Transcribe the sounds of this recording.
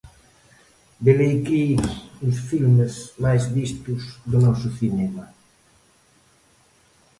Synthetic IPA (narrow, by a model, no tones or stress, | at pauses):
belejkiʊsfilmezmajzβist̪uzd̪ʊnɔsʊθinɛma